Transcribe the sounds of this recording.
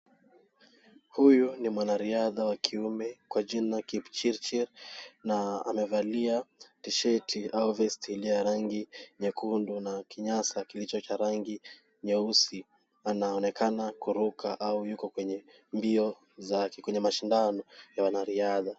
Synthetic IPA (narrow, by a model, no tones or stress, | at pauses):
hujunimwanaɾiaðawakʰiumɛkwaʄinakipt͡ʃiɾt͡ʃɛɾnaa̰mɛvaliatiʃɛtʰiauvɛsthiliaɾaŋɡiɲɛkʰundunakʰiɲasakilit͡ʃɔt͡ʃaɾaŋɡi | ɲɛusi | anaɔnɛkanakuɾukʰaʔaujukɔkwɛɲɛ | mbiɔ | zakɛkwɛɲɛmaʃindanɔjawanaɾiaða